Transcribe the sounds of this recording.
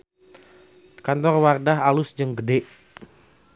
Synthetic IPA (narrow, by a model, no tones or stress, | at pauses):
kant̪ɔrwardaɦalʊsd͡ʒəŋɡədeʔ